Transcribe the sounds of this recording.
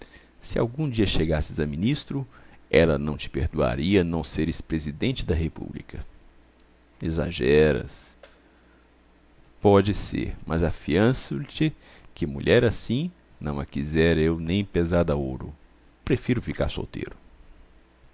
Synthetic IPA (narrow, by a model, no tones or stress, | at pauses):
sɪa̰wɡũd͡ʒiɐʃeɡasɪzɐmĩnist̪ɾʊɛlɐnɐ̃w̃t͡ʃɪ̥peɾd̪ua̰ɾiɐnɐ̃w̃seɾɪspɾezid̪ẽnt͡ʃɪd̪ɐɦepṵblḭkɐ | eza̰ʒɛɾɐ̰s | pɔd͡ʒɪsḛɾmʔɐzafiɐ̃sʊt͡ʃɪ | kɪmṵʎʔɛɾasĩ | nɐ̃w̃ɐkizɛɾewnẽj̃pezaɾd̪ɐoɾʊ̰ | pɾefiɾʊfika̰ɾso̰wt̪ḛɾʊ